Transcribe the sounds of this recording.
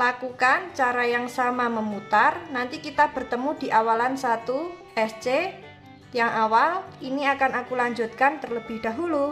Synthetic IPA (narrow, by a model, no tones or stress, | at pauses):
lakukant͡ʃaɾajaŋsamaməmut̪arnant̪ikit̪ab̥ərt̪əmud̥̪i̤ʔawalansat̪uʔɛst͡ʃe | jaŋʔawaliniakanakulaɲd͡ʒut̪̚kant̪ərləb̥ɪhd̥a̤ɦulu